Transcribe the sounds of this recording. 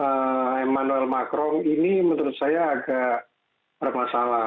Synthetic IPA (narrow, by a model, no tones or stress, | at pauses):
əemanuɛlmakɾɔŋinimənəɾʊt̪̚sajaːɡaʔ | bərmasala